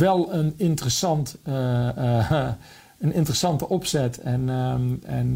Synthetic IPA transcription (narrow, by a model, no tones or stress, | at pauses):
ʋɛlˠənɪntərəsɑnt | ənɪntərəsɑntəʔɔpsɛtʰɛnɛ̰n